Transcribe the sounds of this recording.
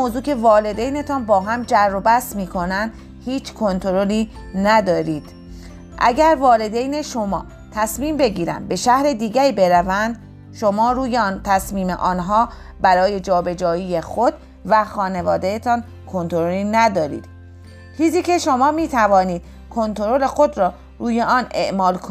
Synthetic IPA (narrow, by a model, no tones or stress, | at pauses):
moːzuːcʰe̞vɒːle̞d̪ejne̞t̪ʰɒnbɒːɦæmd͡ʒærːobæsmiːkʰo̞nænd̪̥ | hiːt͡ʃʰkʰo̞nt̪ʰoɾoliː | næd̪ɒːɾiːd̪̥ | ʔæ̰ɟæɾvɒːle̞d̪ejne̞ʃo̞mɒ̰ː | t̪ʰæsmiːmbe̞ɟiːɾæ̰nd̪̚be̞ʃæhɾe̞d̪iːɡæɾiːbe̞ɾævænd̪ | ʃo̞mɒːɾuːjent̪ʰæsmiːme̞̰ʔɒːnɦɒː | bæɾɒːje̞d͡ʒɒːbe̞d͡ʒɒːjiːjexod̪ | væxɒːne̞vɒːd̪ejet̪ʰɒn | kʰo̞nt̪ʰoɾoliːnæd̪ɒːɾḭːd̪̥ | t͡ʃʰiːziːcʰe̞ʃo̞mɒːmiːt̪ʰævɒːniːd̪̥̚ | kʰo̞nt̪ʰo̞ɾo̞le̞xo̞d̪ɾɒː | ɾuːje̞ʔɒːne̞̰ʔmɒːlkʰo